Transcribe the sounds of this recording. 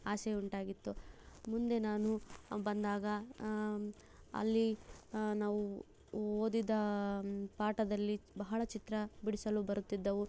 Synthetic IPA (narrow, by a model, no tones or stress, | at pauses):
aːsɛuɳʈaːɡit̪ːumund̪e̞naːnubɐnd̪aːɡɐ | ɐ̰lːinaːʋu | oːd̪id̪ɐ | paːʈɐd̪ɐlːibɐɦɐɭɐt͡ʃit̪ɾɐbiɽisɐlubɐɾut̪ːid̪ːɐʋu